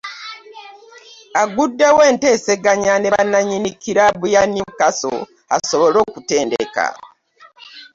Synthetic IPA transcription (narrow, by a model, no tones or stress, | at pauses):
aɡudːewe̞ːnte̞ːse̞ɡaɲaneβanaɲinikiɾaβujaniukaso̰ | a̰so̞βo̞lo̞ːkute̞ːndḛka̰